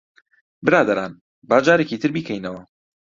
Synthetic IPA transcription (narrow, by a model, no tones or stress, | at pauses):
bɨɾaːd̪ɐɾaːn | baːd͡ʒaːɾeːciːt̪ʰɨɾbiːkʰɛjnɐwɐ